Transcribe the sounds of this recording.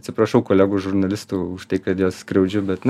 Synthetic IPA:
t̪ʲsʲɪpɾɐʃɐʊkoːlʲæːɡuʒʊɾnɐlʲɪst̪uːʊʃt̪ɐɪkɐt̪joːsskɾʲɛʊd͡ʒʲʊbʲɛt̪n

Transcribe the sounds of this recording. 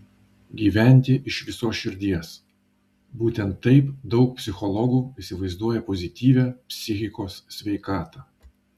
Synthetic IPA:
ɡʲiːʋʲɛˑnʲt̪ʲɪʔɪʃʋʲɪsoːsʃʲɪɾʲd̪ʲiɛs | buːt̪ʲɛnt̪ːɐɪpd̪ɒʊk̚pʲsʲɪxɔlˠɔɡuːɪsʲɪʋɐɪzd̪uɔjɛpɔzʲɪt̪ʲiːʋʲæːpʲsʲɪxʲɪkoːssʲʋʲɛɪkɑːt̪ɑː

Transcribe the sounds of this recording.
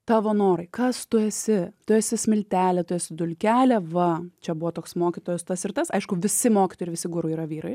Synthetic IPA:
t̪ɑːʋoːnoːɾɐɪkɐst̪ʊɛsʲɪt̪ʊɛsʲɪsʲmʲɪlʲt̪ʲæːlʲɛt̪ʊɛsʲɪd̪ʊlʲkʲæːlʲɛʋɐt͡ʃʲɛbʊʋoːt̪oːksmoːkʲɪt̪oːjʊst̪ɐsɪɾt̪ɐsɐɪʃkʊʋʲɪsʲɪmoːkʲɪ̥t̪oːjɪʋʲɪsʲɪɡʊɾʊiːɾɐʋʲiːɾɐɪ

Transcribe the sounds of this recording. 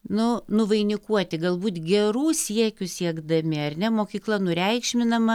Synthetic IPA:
nʊnʊʋɐɪnʲɪkuɔt̪ʲɪɡɐlˠbuːt̪ɡʲɛɾuːsʲiɛkʲʊsʲiɛɡd̪ɐmʲɪɐrʲnʲɛmoːkʲiːklˠɐnʊɾʲɛɪkʃʲmʲɪnɐmɐ

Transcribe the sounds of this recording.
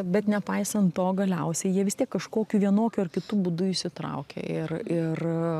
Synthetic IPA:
bʲɛt̪nʲɛpɐɪsɐnt̪tːoːɡɐlʲɛʊsʲɛɪjiɛʋʲɪst̪ʲiɛkːɐʃkoːkʲuːʋʲiɛnoːkʲuɐrkʲɪt̪uːbʊd̪ʊɪʃʲsʲɪt̪ɾɐ̰ʊkʲḛɪrɪr

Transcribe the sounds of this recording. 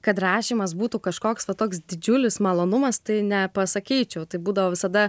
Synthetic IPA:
kɐt̪rɑːʃʲiːmɐs̬buːt̪ukɐʃkoːksʋɐt̪oːksd̪ʲɪd͡ʒʲʊlʲɪsmɐlˠoːnʊmɐst̪ɐɪnʲɛpɐsɐkʲiːt͡ʃʲɛʊt̪ɐɪbuːd̪ɐʋoːʋʲɪsɐd̪ɐ

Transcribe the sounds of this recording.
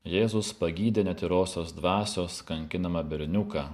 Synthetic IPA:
jeːzʊspɐɡʲiːd̪ʲeːnʲɛt̪ʲɪɾoːsʲoːsd̪ʋɑːsʲoːskɐŋʲkʲɪnɐmɐbʲɪɾʲnʲʊkɑː

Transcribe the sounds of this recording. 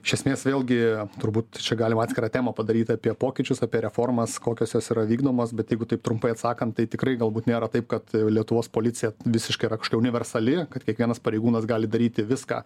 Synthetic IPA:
ɪʃʲɛsʲmʲeːsʋʲeːlʲˠɡʲɪt̪ʊɾbuːt̪t͡ʃʲɛɡɑːlʲɪmɑt̪ʲsʲkɪɾɑːt̪ʲæːmɐpɐd̪ɐɾʲiːt̪ʲɑːpʲiɛpoːkʲɪt͡ʃʲʊsɑːpʲiɛɾʲɛfoːrmɐskoːkʲoːsjoːsiːɾɐʋʲiːɡd̪oːmoːsbʲɛt̪jɛɪɡʊt̪ɐɪp̚t̪ɾʊmpɐɪɐt̪sɑːkɐnt̪t̪ɐɪt̪ʲɪkrɐɪɡɐlˠbuːt̪nʲeːɾɐt̪ɐɪp̚kɐt̪lʲiɛt̪ʊʋoːspoːlʲɪtt͡s̪ʲɪjɛʋʲɪsʲɪʃkɐɪɾɐkɐʃo̥kʲɛʊnʲɪʋʲɛrsɐlʲɪkɐt̪kʲiɛkʋʲiɛnɐspɐɾʲɛɪɡuːnɐsɡɑːlʲɪd̪ɐɾʲiːt̪ʲɪʋʲɪskɑ̰ː

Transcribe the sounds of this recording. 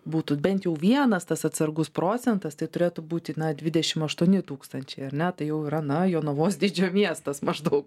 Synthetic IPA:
buːt̪ʊbʲɛnʲt̪jɛʊʋʲiɛnɐst̪ɐsɐt̪sɐrɡʊspɾoːt͡sʲɛnt̪ɐst̪ɐɪt̪ʊɾʲeːt̪ubuːt̪ʲɪnɐd̪ʲʋʲɪd̪ʲɛʃʲɪmɐʃt̪uɔnʲɪt̪uːkst̪ɐnʲt͡ʃʲɛɪɐɾʲnʲɛt̪ɐɪjɛʊiːɾɐnɐjoːnoʋoːsd̪ʲid͡ʒʲoːmʲiɛst̪ɐsmɐʒd̪ɐʊk

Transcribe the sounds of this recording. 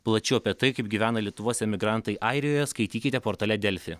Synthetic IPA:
plˠɐt͡ʃʲʊɐpʲiɛt̪ɐɪkɐɪp̚ɡʲiʋʲæːnɐlʲiɛt̪ʊʋoɔsʲɛmʲɪɡɾɑˑnt̪ɐɪʔɐɪɾʲɪjoːjɛskɐɪt̪ʲiːkʲɪt̪ʲɛpoːɾt̪ɐlʲɛd̪ʲɛlʲfʲɪ

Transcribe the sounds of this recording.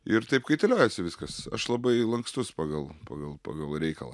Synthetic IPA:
ɪɾt̪ɐɪpkɐɪt̪ʲɛlʲæːjɛsʲɪʋʲɪskɐsɐ̰ʃlˠɐbɐɪlˠɐŋkst̪ʊspɑːɡɐlˠpɑ̰ːɡɐlˠpɑ̰ːɡɐlˠɾʲɛɪkɐlˠɑ̰

